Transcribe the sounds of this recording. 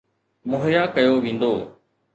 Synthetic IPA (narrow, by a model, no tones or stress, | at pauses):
mʊɦjaːkəjoːʋĩːn̆d̪oː